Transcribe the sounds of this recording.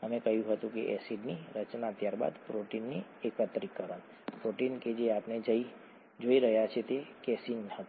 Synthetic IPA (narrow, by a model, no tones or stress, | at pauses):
ɦəmẽkəɦjũɦət̪ũkeʔɛ̰siɖniɾət͡ʃnat̪jaːɾba̰ːd̪pɾoʈinːiekət̪ɾikːəɾən | pɾoːʈinked͡ʒeaːpned͡ʒəi | d͡ʒoːiɾəɦjat͡ʃʰet̪ekɛːsinɦət̪